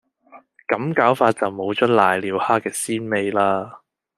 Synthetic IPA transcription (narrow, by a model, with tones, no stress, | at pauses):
kɐ˨˥mkaː˨˥wfaː˧t̚t͡sɐ˨wmo˨˧wt͡ʃœ˥t̚laː˨jliː˨˧whaː˥kːɛː˧siː˥nme˧jlaː˥